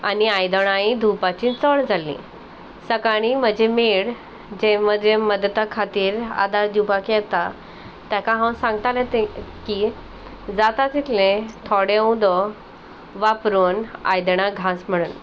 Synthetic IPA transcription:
a̰niajd̪əɽ̃aĩd̪ʱupat͡ɕĩt͡sɔɭd͡zʱalːḭ̃ | səkaɽ̃im̤əd͡ʑemeɽ | d͡ʑeməd̪ʱeməd̪t̪akʰat̪iːɾa̰d̪ad̪upakɛt̪a | t̪jakãɦãw̃sãŋɡt̪alet̪eki | d͡zat̪at̪it̪ʰlẽt̪ʰɔɽẽũd̪ɔ | ʋapɾuːna̰jd̪ɳãɡʱãsm̤əɽuːn

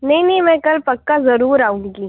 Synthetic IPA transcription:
nɐɦĩnĩmɛ̃ːkɐlpɐkːazɐɾuːɾaːũːŋɡiː

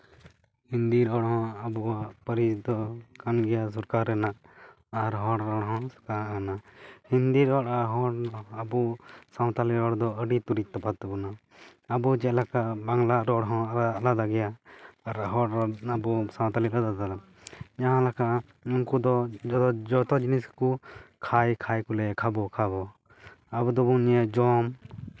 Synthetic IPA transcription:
hind̪iɾɔɽɦɔ̃əbuwaʔpəɾid̪ɔkanɡɛjas̬ɔɾkaɾːɛnaʔː | ɾɦɔɽɾɔɽɦɔ̃skanahind̪iɾɔɽaɦɔɽɔːbusaw̃t̪aliɾɔɽd̪ɔəɖit̪uɾit̪ːɔpat̪ːbɔna | əbud͡ʒɛlakaʔbaŋlaɾɔɽɦɔ̃ɾalad̪aɡɛjaɾɦɔabusãw̃t̪aliɾɔd̪ad̪aɾa | d͡ʒaɦãlakaʔ | unkud̪ɔ | d͡ʒɔt̪ɔd͡ʒiniskukʰajkʰajkulɛkʰabɔkʰaβɔ | abud̪ɔbunɛd͡ʒɔm

